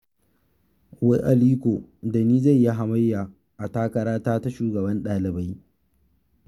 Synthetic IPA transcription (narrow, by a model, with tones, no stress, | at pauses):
we˦ʔa˨liː˦kʷoː˨da˨niː˦za˦˨jːa˦ɦa˨mɐ˦jːaː˨ | ʔa˨taː˦kɐ˨ɾaː˦taː˦ta˦ʃuː˨ɡɐ˨bɐ˦nɗaː˨lɪ˨ba˦j